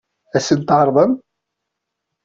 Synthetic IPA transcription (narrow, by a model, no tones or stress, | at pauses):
æsənt̪ʕɑɾˤðˤən